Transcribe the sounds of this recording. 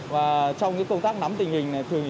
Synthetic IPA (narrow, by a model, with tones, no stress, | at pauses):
vaː˨˩t͡ɕɔ˧wŋ͡mkɨ˨˦jkə˧nt̪aː˦˥k̚na˨˦mt̪ï˨˩ŋ̟hï˨˩ŋ̟na˨˩jt̪ʰɨ˨˧əŋ˨